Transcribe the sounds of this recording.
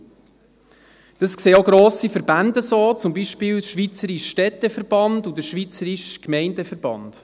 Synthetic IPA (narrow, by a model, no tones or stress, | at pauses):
d̥əskseːoɡɾoːsifəɾbændəsoːt͡sʊmbiːʃpiːlʃʋit͡səɾiʃʃtɛt̪ːəfəɾb̥ɑndudəɾʃʋit͡səɾiʃkmɛɪndəfəɾb̥ɑ̰nd̥